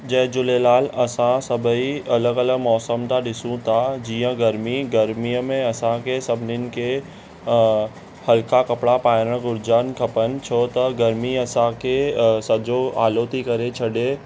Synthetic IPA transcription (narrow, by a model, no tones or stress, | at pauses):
d͡ʒɐɦd͡ʒʊlelaːlɐsãsɐbʱiɐləɡɐləɡmɔːsəmt̪aɗɪsũt̪ʰad͡ʒiːə̃ɡɐɾmiɡɐɾmijəmẽɐsãkesɐbʱnɪnɪ̆ke | hɐlkakɐpɽapaːɪɾəɽ̃ɡʊɾd͡ʒaːnkʰɐpənt͡ʃʰot̪ɐɡɐɾmiɐsãkesɐd͡ʒoa̰ːloːt̪ikɐɾet͡ʃʰɐɖe